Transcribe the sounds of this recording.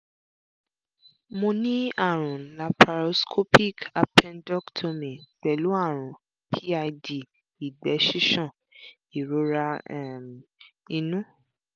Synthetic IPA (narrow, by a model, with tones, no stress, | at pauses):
mõ˧nĩ˦a˦˨ɾ̃ũ˨la˨pa˧ɾo˧skʰo˦pi˦˨ka˧pʰɛ̃˧ndɔ˦ktʰo˧mĩ˨ɡ͡bɛ˨lu˨˦a˦˨ɾ̃ũ˨ | pʰi˦a˧di˨ | i˨ɡ͡bɛ˨˦ʃi˦ʃɔ̃˦˨ | i˨ɾo˨˦ɾa˧ɛ˦˨m˨ | i˧nũ˦